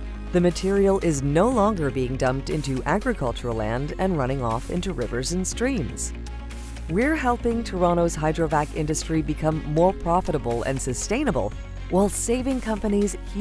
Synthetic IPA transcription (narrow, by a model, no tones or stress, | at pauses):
ðɨmɨtʰɪɹil̩ˠʔɪznoʊlɔ̃ŋɡə˞biɪ̃ŋdʌ̃mp̚tɪ̃ntʉʔæɡɹɨkʰʌlˠt͡ʃə˞l̩ˠlæ̰̃ndɨ̃nɹʌɾ̃ɪ̃ŋɔ̰fɪ̰̃ntʉɹɪvə˞zɨ̃n̩stɹ̥ĩmz̥ | wiɹɦɛlˠpɪ̃ŋtʰə˞ɑñoʊz̥ɦaɪdɹovækɪ̰̃ndɨstɹ̥ibɨkʰʌ̃mːɔɹpʰɹ̥ɑfəɾəbl̩ˠɨ̰̃nsɨstẽɪ̃nəbl̩ˠ | wʔaɪlˠseɪvɪ̃ŋkʰʌ̃mpɨniz̥h